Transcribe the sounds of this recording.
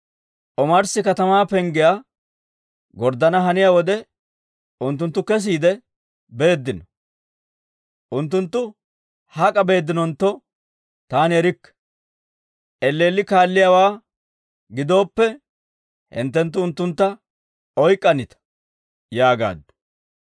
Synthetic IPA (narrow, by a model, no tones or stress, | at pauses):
ʔɔmɐɾsɪkɐt̪ɐmaːpɛŋɡɪja | ɡɔɾd̪ɐnɐɦɐnɪjawɔd̪ɛ | ʊnt̪ːʊnt̪ːʊkɛs̬iːd̪ɛ | be̞ːd̪ːɪnɔ | ʔʊnt̪ːʊnt̪ːʊ | hɐkʼɐbe̞ːd̪ːɪnɔnt̪ːɔ | t̪aːnɪɛɾɪkː | ʔɛlːe̞ːlːɪkaːlːɪjawaː | ɡɪd̪o̞ːpːɛ | hɪ̰nt̪ːɛnt̪ːʊʊnt̪ːʊnt̪ːɐ | ɔjkʼːɐnɪt̪ɐ̥ | jaːɡa̰ːd̪ːʊ̥